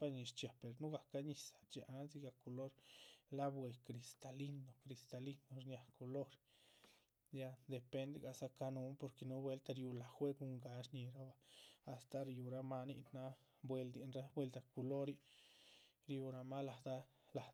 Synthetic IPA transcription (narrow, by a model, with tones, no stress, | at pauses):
pa˦ɲi˧ʃt͡ʃja˨pe˨ɾnu˦ɡa˨ka˦ɲi˨sḁ˨t͡ʃi˨ʔa˦nzi˧ɡa˧ku˧lo˦ɾla˦bwe˨kɾi˨st̪a˨li˦nd̪o˨kɾi˨˧st̪a˧li˦no˧ɾɲja˨ko˨lo˦ɾ | ja˧d̪e˨pe˧nd̪e˧ɡa˧˨sa˧ka˧nu˧˦mpo˧ɾke˧nu˦bwe˦lt̪a˧ɾju˧la˨xwe˦ɡu˧ŋɡa˨ʃɲi˧ɾa˦baː˧˨st̪a˧ɾju˨ɾa˧ma˦nḭ˧ʔna˦ | bwe˧ld̪i˧nɾa˦bwe˧ld̪a˨ku˧lo˦ɾi˦ | ɾju˧ɾa˧ma˦la˨d̪a˦ | la˨